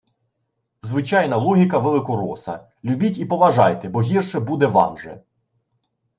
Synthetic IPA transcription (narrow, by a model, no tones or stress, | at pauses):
zʋɪt͡ʃɑjnɐlˠɔɦʲikɐʋelˠɪkɔɾɔsɐ̰ | lʲubʲitʲipɔʋɐʒɑjt̪ɛbɔɦʲirʃɛbud̪ɛʋɑ̰mʒɛ̰